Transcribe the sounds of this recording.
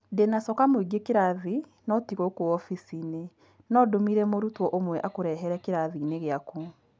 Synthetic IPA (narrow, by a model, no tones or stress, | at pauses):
denasɔkamoiɡekeɾaði | nɔtiɣokoɔfisine | nɔdomiɾɛmoɾutwɔʔomwɛʔakoɾɛɦɛɾɛkeɾaðineɣeaku